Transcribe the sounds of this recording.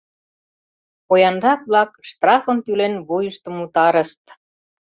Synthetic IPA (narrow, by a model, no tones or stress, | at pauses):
kojɑnɾɑk̚βlɑkʃt̪rɑfə̆nt̪ylenβujəʃt̪ɤ̆mut̪ɑɾə̆ʃt̪